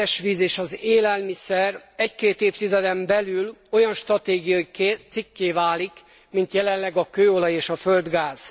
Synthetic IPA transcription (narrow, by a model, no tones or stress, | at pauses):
ɛʃʋiːzeːʃɒzeːlɛlmisɛrɛckeːt̪eːft̪izɛd̪ɛmbɛlylo̞jɒnʃt̪rɒt̪eːɡijɒiket̪sikːeːvaːlik | mint̪jɛlɛlɛɡɒkøːo̞lɒjeːʃɒfø̞ld̪ɡaːz̥